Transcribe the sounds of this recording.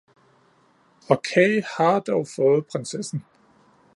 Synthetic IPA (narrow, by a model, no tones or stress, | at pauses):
ɒ̽kʰɛɪhɑ̈d̥ɒʊfɔ̽ːð̞̩ˠpʰʁansesn̩